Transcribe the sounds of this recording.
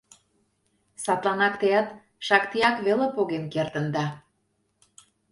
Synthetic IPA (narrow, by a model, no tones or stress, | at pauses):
sɑt̪lɑnɑkt̪eɑt̪ | ʃɑkt̪ijɑkβelepoɣenkert̪ə̆nd̪ɑ